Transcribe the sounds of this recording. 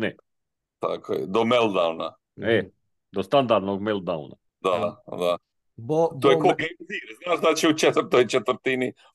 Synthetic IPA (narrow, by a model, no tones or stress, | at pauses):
nɛ | t̪a̰kʰojɛ̰d̪omelˠd̪awna | ɛ | d̪ost̪and̪aɾd̪noɡ̚melˠd̪d̪aṵna̰ | d̪ad̪a | t̪ojekokiziːɾɛznaʒd̪at͡ʃɛut͡ʃɛt̪əɾt̪ojit͡ʃɛt̪vəɾt̪ini